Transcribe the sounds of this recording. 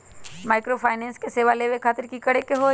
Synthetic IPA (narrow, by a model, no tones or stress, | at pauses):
maːɪkɾofʰaːɪnɛ̃ːnskeseːʋaleːʋekʰaːt̪əɾkikɐɽekeɦoː